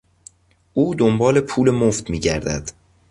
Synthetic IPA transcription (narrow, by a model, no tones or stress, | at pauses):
ʔuːd̪ombɒːle̞pʰuːle̞moft̪miːɟæɾd̪æ̰d̪̥